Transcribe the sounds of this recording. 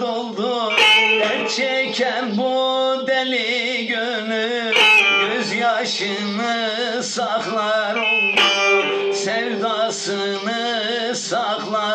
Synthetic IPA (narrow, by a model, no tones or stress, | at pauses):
d̪olˠd̪u | ɛɾt͡ʃʰɛcʰæɾbud̪eli | ɟø | ny | jyzjɑʃɯ | nɯ | sɑxlˠɑɾolˠd̪usɛvd̪asɯ | nɯ | sɑxlˠɑ